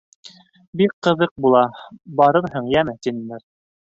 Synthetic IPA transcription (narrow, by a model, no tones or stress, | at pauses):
bikqːɤ̆ðɤq̚bulˠɑbɑɾɤɾɦɤɴjæmɘt̪inɘ̆nɘɾ